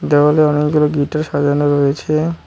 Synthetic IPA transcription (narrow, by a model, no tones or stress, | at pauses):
d͡ʒeboleɔnekɡuloɡiʈaɾʃad͡ʒonoɾoet͡ɕʰe